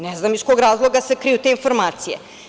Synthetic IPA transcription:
neznamiskoɡɾaːzlˠoɡasekɾijut̪einfo̞ɾmaːt̪sijḛ

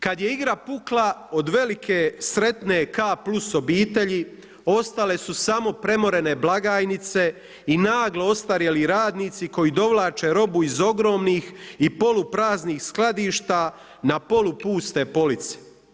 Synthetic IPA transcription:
kad̪je̞iɡɾapuklˠao̞d̪ʋe̞likʰe̞sɾe̞t̪ne̞kaːpluso̞biːt̪e̞ʎi | o̞st̪ale̞susamo̞pɾe̞mo̞ɾe̞neblaɡaːjnit̪se̞ | inaːɡleo̞st̪aɾjeliɾaːd̪niːt̪siko̞jid̪o̞ʋlˠaːt͡ʃeɾo̞buizo̞ɡɾo̞ːmniːxipo̞lupɾaːzniːxsklad̪iːʃt̪a | napo̞lupuːst̪e̞po̞lit̪se̥

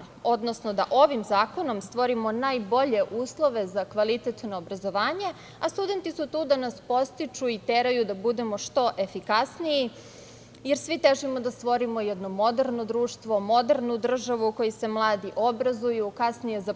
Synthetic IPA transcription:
o̞d̪no̞snod̪aʔo̞ʋimzaːko̞no̞mst̪ʋo̞ɾimo̞najbo̞ʎe̞ʔuːslˠo̞ʋe̞zakʋalit̪et̪noːbɾazo̞ʋaːɲe̞ | ast̪ud̪e̞nt̪isut̪uːd̪anaspo̞st̪it͡ʃuit̪eɾajud̪abud̪e̞mo̞ʃt̪o̞ʔe̞fikasniji | jeɾsʋit̪eʒimo̞d̪ast̪ʋo̞ɾimo̞jɛd̪nomo̞d̪eɾnod̪ɾuːʃt̪ʋo̞mo̞d̪eɾnud̪r̩ʒaʋuko̞jise̞mlˠaːd̪iʔo̞bɾazujukasnije̞za

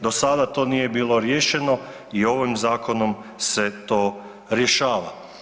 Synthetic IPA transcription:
d̪o̞sad̪at̪o̞ːnije̞biːlˠo̞ɾje̞ːʃe̞no̞ | io̞ʋimzaːko̞no̞mse̞t̪o̞ː | ɾje̞ʃaːʋa

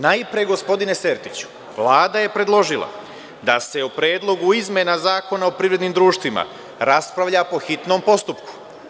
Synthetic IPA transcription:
najpɾeɡo̞spo̞d̪ine̞seɾt̪it͡ɕu̥ | ʋlˠaːd̪aje̞pɾe̞d̪lˠo̞ʒilˠa̰ | d̪ase̞upɾjeːd̪lˠo̞ɡuizmjenazaːko̞naopɾiʋɾe̞d̪nimd̪ɾuːʃt̪ʋima̰ | ɾaspɾaʋʎapo̞xit̪no̞ːmpo̞st̪upku̥

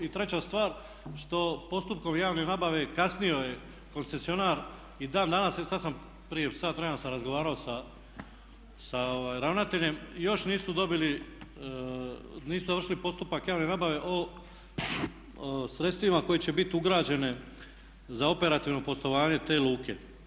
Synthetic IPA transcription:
it̪ɾe̞t͡ɕast̪ʋaːɾ | ʃt̪o̞po̞st̪up̚ko̞mjaːʋne̞naːbaʋe̞kasnijo̞je̞ | ko̞nse̞sio̞naːɾ | id̪aːnd̪anassad̪sam | pɾijesaːt̪ʋɾenosamɾazɡoʋaːɾao̞sa | saoʋaːjɾaʋnat̪e̞ʎemjo̞ʃniːsud̪o̞bili | niːsuzaʋr̩ʃilipo̞st̪upakjaːʋne̞naːbaʋe̞ʔo | sɾt̪st̪ʋimako̞jet͡ɕe̞bit̪uɡɾaːd͡ʑe̞ne̞ | zao̞pe̞ɾat̪iʋno̞po̞st̪o̞ʋaːɲe̞t̪e̞ːlˠuːkʰḛ

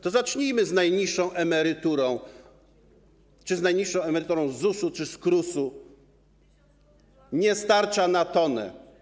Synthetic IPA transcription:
t̪ɔzat͡ʂɲijmɘznajɲiʂːɔ̃w̃ʔɛmɛɾɘt̪uɾɔ̃w̃ | t͡ʂɘznajɲiʂːɔ̃w̃ɛmɛɾɘt̪uɾɔ̃w̃zːusut͡ʂɘskɾusu | ɲɛst̪aɾt͡ʂanat̪ɔnɛ̰

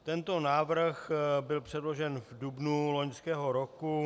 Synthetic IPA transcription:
t̪ɛnt̪o̞naːvr̩xbɪlpr̥ɛdlo̞ʒɛnvdubnulo̞ɲskɛːɦo̞ɾo̞ku

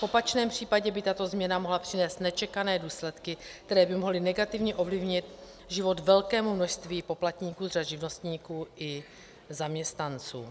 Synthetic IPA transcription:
fʔo̞pat͡ʃnɛːmpr̝̥iːpaɟɛbɪt̪at̪o̞zmɲɛnamoɦlapr̝̥ɪnɛːst̪nɛt͡ʃɛkanɛːduːslɛt̪kɪk̚t̪ɛɾɛːbɪmoɦlɪnɛɡat̪ɪvɲɛʔo̞vlɪvɲɪt̪ | ʒɪvo̞t̪vɛlkɛːmumno̞ʃst̪viːpo̞plat̪ɲiːkuːzraʒɪvno̞st̪ɲiːkuːʔɪ | zamɲɛst̪nant͡sṵː

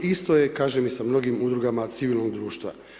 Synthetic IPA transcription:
ist̪o̞je̞kaːʒemisamno̞ɡimud̪ɾuɡamat̪siʋilʲˠnoɡd̪ɾuːʃt̪ʋa̰

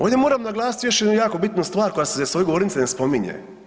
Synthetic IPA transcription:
oːd̪ʲjemoːɾamnaɡlˠaːsit̪jo̞ʃjed̪nujaːko̞bit̪nust̪ʋaːɾko̞jasezsʋo̞jeɡooɾnit̪senespo̞miɲḛ

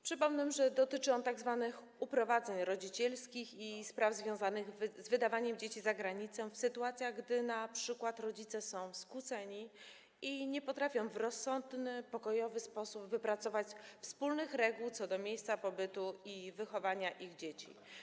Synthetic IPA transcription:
pʂɘpɔmnɛmʐɛd̪ɔt̪ɘt͡ʂɘɔnt̪aɡzvanɘx | upɾɔvad̪zɛɲɾɔd͡ʑit͡ɕɛlskʲixispɾavzvʲjɔ̃w̃zanɘɣzvɘd̪avaɲɛmd͡ʑet͡ɕizaɡɾaɲit̪sɛ̃fsɘt̪uat̪sʲjaɣɡd̪ɘnapʂɘkwat̪ɾɔd͡ʑit̪sɛsɔ̃w̃skwut̪sɛɲi | iɲɛpɔt̪ɾafʲjɔ̃w̃vɾɔsːɔnd̪nɘpɔkɔjɔvɘspɔsubvɘpɾat̪sɔvat͡ɕfspulnɘxɾɛɡuwt̪sɔd̪ɔmʲjejst̪sapɔbɘt̪uivɘxɔvaɲaʔiɣd͡ʑet͡ɕḭ

